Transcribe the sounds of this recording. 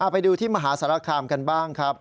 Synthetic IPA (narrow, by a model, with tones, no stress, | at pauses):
ʔaː˨˩pa˧jduː˧t̪ʰiː˥˩ma˧ɦaː˩˦saː˩˦ɾa˦˥kʰaː˧mka˧nbaː˥˩ŋkʰɾa˦˥p̚